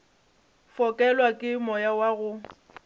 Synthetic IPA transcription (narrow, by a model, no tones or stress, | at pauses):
fɔkʼɛlwakʼɪmɔjawaɣʊ